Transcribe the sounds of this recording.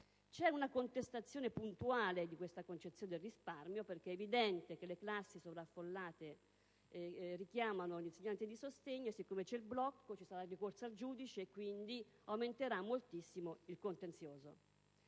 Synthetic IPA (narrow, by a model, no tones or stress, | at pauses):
t͡ʃɛunakont̪est̪at̪sːjoːnepunt̪uaːled̪ikwest̪akont͡ʃet̪sjoːned̪elrisparmjoperk̟eɛevid̪ɛnt̪ekeleklasːisovɾafːolːaːt̪e | rik̟jaːmanolinseɲːant̪id̪isost̪eɲːosikːomet͡ʃɛilblɔkːot͡ʃisaɾarikorsald͡ʒuːd̪it͡ʃeːkːwind̪iawment̪eɾamːolt̪isːimoilkont̪ent̪sjoːzo